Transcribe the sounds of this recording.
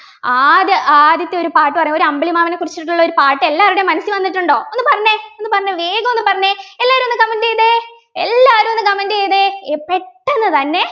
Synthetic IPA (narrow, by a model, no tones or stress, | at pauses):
aːd̪ɐʔaːd̪jɐt̪ːeo̞ɾupaːʈːɨpɐrɐɲːɐo̞ɾuɐmbɐɭimaːmɐnekurit͡ɕːiʈiʈːuɭːɐo̞ɾupaːʈːɨelːaːɾuɽe̞mɐnɐsiʋɐnːiʈːuɳɖo̞ːonːɨpɐrɐɲːeo̞nːɨpɐrɐɲːɐʋeːɡɐmo̞nːɨpɐrɐɲːeelːaːɾumenːɨkɐmɐndejɐðe | elːaːɾumenːɨkɐmɐndejɐðeepːeʈːenːɨt̪ɐnːe̞